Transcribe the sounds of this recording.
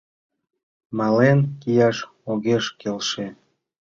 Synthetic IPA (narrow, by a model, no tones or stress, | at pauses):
mɑlenkijɑʃ | oɣeʃkelʃe